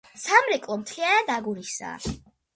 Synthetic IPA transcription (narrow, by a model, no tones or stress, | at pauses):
samɾɛkʼlˠɔmt̪ʰlianad̪aɡuɾisa̰ː